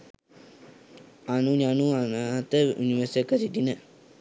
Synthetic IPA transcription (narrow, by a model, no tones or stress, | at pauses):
anuɲanuanat̪əʔuniʋəsəkəɾid̪inə